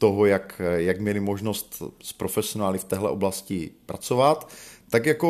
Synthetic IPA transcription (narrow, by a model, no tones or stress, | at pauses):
t̪oɦojakjaɡmɲɛlɪmoʒnost̪spɾofɛsionaːlɪft̪ɛːɦlɛ̰ʔo̞blascɪpɾat͡sovat̪ːakjako